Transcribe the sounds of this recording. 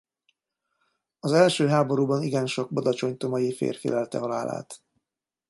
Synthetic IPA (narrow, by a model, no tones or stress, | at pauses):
ɒzɛlʃøːɦaːbo̞ɾuːbɒniɡɛnʃo̞ɡbod̪ɒt͡ʃo̞ɲt̪omɒjifḛːrfḭlɛlt̪ɛ̰ɦɒla̰ːla̰ːt̪